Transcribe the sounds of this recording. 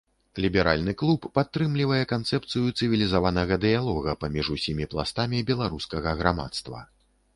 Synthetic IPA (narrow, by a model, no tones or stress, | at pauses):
lʲibʲɛɾa̰lʲnɨklˠupːat̪ːɾɨmlʲivɐjɛkant̪sɛp̚t̪sɨjut̪sɨvʲilʲizavanɐɣɐd̪ɨjalˠɔɣɐpamʲiʐusʲimʲiplˠa̰st̪amʲibʲɛlˠaɾuskɐɣɐɣɾama̰t̪st̪vɐ̰